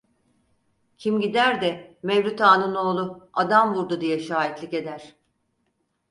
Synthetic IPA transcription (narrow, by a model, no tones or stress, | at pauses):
cʰimɟid̪æɾd̪ɛmevlʲut̪aːnɯno̞ːlˠuad̪amvuɾd̪ud̪ijɛʃaːɦit̪lʲice̞d̪æɾ̥